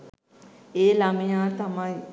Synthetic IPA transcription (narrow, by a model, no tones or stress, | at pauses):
eːlamejaːt̪amaj